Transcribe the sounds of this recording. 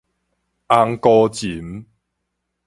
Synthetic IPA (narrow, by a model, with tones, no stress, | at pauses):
ʔa˧ŋkɔ˧t͡ɕi˨˦m